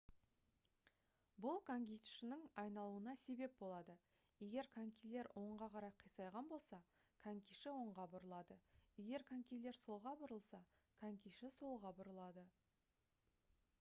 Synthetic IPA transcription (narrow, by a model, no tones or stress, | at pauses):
bʊlˠkʰaŋɡʲijt̪ʃɪnɪŋɑjnɑlˠuənɑse̞be̞p̚bo̞lˠɑd̪ə | je̞ɡʲe̞ɾkʰaŋkʲijle̞ɾwʔo̞ɴʁɑqʰɑɾɑjqʰijsɑjʁɑnbo̞lˠsɑ | kʰaŋkʲijʃɪwo̞ɴʁɑbʊɾəlˠɑd̪əje̞ɡʲe̞ɾkʰaŋkʲijle̞ɾso̞lˠʁɑbʊɾəlˠsɑ | kʰaŋkʲiʃɪso̞lˠʁɑbʊɾəlˠɑd̪ə